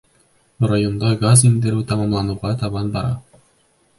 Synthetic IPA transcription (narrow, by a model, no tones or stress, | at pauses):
rajond̪ɑɡazind̪ɘɾʉt̪ɑmɑmlˠɑnuʁɑt̪ʰɑβɑnbɑɾɑ̰